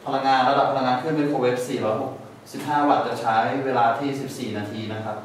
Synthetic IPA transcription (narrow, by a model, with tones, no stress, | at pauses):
pʰa˧la˧ŋːaː˧nɾa˦˥da˨˩pʰːla˧ŋːaː˧nkʰɯ˥˩ə˨nwi˦˥˩kʰoː˧˩we˦˥p̚siː˨˩ɾɔː˦˥ɦo˨˩k̚ | si˨˩p̚ɦaː˥˩wa˨˩t̪̚t͡ɕa˨˩t͡ɕʰa˦˥jweː˧laː˧t̪ʰiː˥˩si˨˩p̚siː˨˩naː˧t̪ʰiː˧na˦˥kʰɾa˦˥p̚